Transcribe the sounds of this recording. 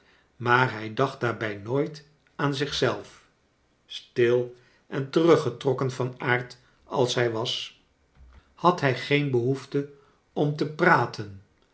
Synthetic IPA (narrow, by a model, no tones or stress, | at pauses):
maːɹɦɛjdɑχt̚daːɹbɛjnoːjt | aːnzɪχsɛlˠf | stɪlˠ | ʔɛntərɵχətrɔkənvɑnaːɹt | ɑ̰lˠsɦɛjʋɑs | hɑtɦɛjχejnbəɦuftə | ɔmtəpraːtʰən